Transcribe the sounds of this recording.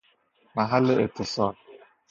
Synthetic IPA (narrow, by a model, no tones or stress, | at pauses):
maɦalɪɪ̰t̪ɪsɔːl